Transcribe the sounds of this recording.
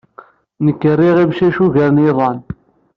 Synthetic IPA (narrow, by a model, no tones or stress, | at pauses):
nəkːərːiʁimʃæʃuɣəɾniðˤɑn